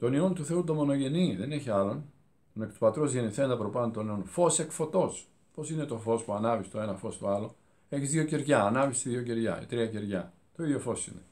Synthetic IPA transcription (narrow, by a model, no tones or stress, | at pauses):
t̪onio̞nt̪uθe̞ut̪o̞mo̞no̞ʝe̞niðe̞ne̞çiɐlo̞n | t̪onekt̪upɐt̪ɾo̞zʝe̞niθe̞nd̪ɐpɾo̞pɐnot̪o̞neonfo̞sekfo̞t̪o̞s | po̞sine̞t̪o̞fo̞spuɐnɐvist̪o̞e̞nɐfo̞st̪oɐlo̞ | e̞çizðjo̞ceɾʝɐːnɐvisiðʝo̞ceɾʝɐ̰ḭt̪ɾiɐceɾʝɐ | t̪oiðjo̞fo̞sḭne